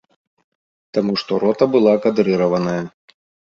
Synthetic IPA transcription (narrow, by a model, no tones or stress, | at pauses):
t̪amuʂt̪ɔɾɔt̪ɐbɨlˠakad̪ɾɨɾɐvɐnɐjɐ